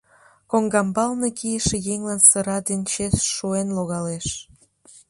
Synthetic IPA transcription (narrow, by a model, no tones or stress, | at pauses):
koŋɡɑmbɑlnekijəʃejeŋlɑnsəɾɑd̪ent͡ɕesʃuenloɣɑleʃ